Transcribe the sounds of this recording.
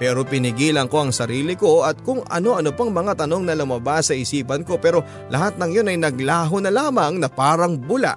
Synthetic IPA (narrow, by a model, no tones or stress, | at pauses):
pɛːɾo̞pɪnɪɡiːlɐŋko̞ʔɐŋsɐɾiːlɪko̞ɐt̪̚kʊŋʔɐ̰no̞ʔɐnopɐŋmɐŋat̪ɐno̞ŋnɐlʊmɐbasːɐʔɪsiːpɐnko̞pɛːɾo̞ | lʔɐɦat̪̚nɐŋjo̞nɐjnɐɡlaːɦonɐlaːmɐŋnɐpaːɾɐŋbʊla̰ʔ